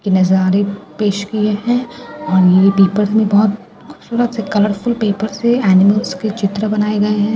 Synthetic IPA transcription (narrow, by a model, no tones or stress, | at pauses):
kinɐzaːɾepeːʃkieɦɛ̃ːɔːɾjeipeːpəɾsmẽbɔɦt̪̚ | xʰʊbsuːɾət̪sekɐləɾfʊlpeːpəɾseɛːnɪməlsket͡ʃɪt̪ɾəbɐnaːeɡɐeɦɛ̃ː